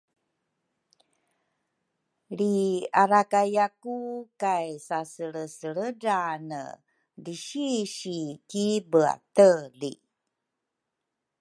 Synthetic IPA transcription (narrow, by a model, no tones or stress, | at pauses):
liaɾakajakukajsasəɭəsəɭədanə̰ | diɕiɕikibəa̰təlḭ